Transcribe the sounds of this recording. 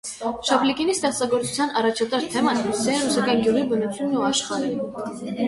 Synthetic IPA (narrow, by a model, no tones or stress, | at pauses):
ʃɑplikinist̪ɛχt͡sɑɡɔɾt͡su̥t͡sʰjɑnɑrɑt͡ʃʰɑt̪ɑɾt̪ʰɛmɑnsɛɛnɾusɑkɑnɡjuʁibənut͡sʰjunːuɑʃχɑɾɛ